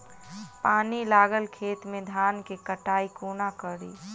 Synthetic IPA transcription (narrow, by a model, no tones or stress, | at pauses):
paːnilaːɡəlkʰeːt̪mẽd̪ʱaːnkekəʈaːikoːnakəɽḭː